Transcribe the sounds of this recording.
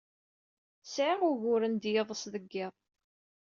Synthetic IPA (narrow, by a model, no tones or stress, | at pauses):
sʕɪʁʊʝʊɾənd̪jeðˤəsðəɡːɪðˤ